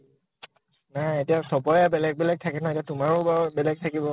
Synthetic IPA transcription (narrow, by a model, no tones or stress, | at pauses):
najetiasɔbɔjɛbɛlɛɡ̚bɛlɛɡ̚tʰakɛnɔetijatʊmaɹobabɛlɛɡ̚tʰakibɔ